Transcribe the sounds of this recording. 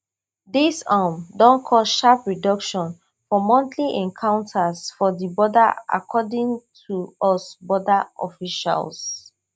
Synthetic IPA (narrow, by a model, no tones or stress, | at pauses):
disamdɔ̃nkʰɔsʃapɹidɔkʃɔ̃n | fɔmɔ̃ntʰliʔɛ̃ŋkʰãʊ̃ntʰasfɔdibɔda̰a̰kʰɔdĩŋtʰuɔsbɔdaʔɔ̰fiʃa̰ls